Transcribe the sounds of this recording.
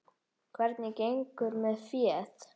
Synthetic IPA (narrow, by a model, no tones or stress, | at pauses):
kʰvɛɾt̪nikejŋkʏɾmɛðfiɛt̪